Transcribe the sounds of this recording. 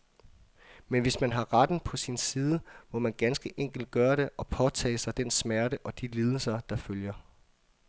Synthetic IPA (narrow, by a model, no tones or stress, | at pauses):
menʋe̝smænɦɑ̈ʁɑd̥n̩pʰɒ̽sinsiːð̞ˠəmɒ̽mænɡ̥ænsɡ̥əʔeŋ̰ɡ̥l̩d̥̚ɡ̥ɶːɐɾ̥e̝ʔɒ̽pʰɒ̽t͡sʰɛ̰ːsɑ̈ɪd̥ensmæɐɾəʔɒ̽d̥iliːð̞ˠəl̩sɐd̥ɑ̈føljɐ